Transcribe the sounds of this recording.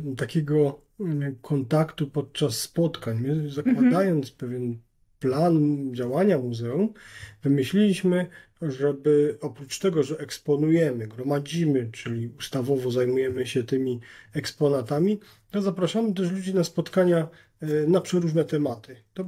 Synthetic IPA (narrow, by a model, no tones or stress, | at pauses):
t̪akʲɛɡɔ | kʰɔnt̪akt̪upɔt̪̚t͡ʂasːpɔt̪kaɲmɘzakwad̪ajɔnt̪spɛvʲjɛn | pland͡ʑawaɲamuzɛumvɘmɘɕlʲilʲiɕmɘ | ʐɛbɘɔpɾut͡ʂt̪ɛɡɔʐɛʔɛkspɔnujɛmɘɡɾɔmad͡ʑimɘt͡ʂɘlʲiust̪avɔvɔzajmujɛmɘɕɛt̪ɘmʲiɛkspɔnat̪amʲi | zapɾaʂamɘt̪̬ɛʂ̬lud͡ʑinaspɔt̪kaɲa | napʂɛɾuʐnɛt̪ɛmat̪ɘt̪ɔ